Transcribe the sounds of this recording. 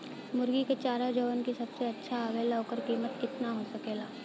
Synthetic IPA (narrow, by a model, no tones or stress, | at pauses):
mʊɾɡiket͡ʃaːɾad͡ʒəwənkisɐbseɐtːʃʰaaʋelaokəɾkiːmət̪kɪt̪naɦosɐkeːlaː